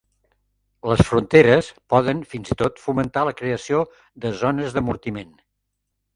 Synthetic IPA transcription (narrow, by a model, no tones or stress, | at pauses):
ləsfɾunt̪eɾəspɔðənfinzit̪ot̪fumənt̪aləkɾeəsio | ðəzɔnəzðəmuɾt̪imen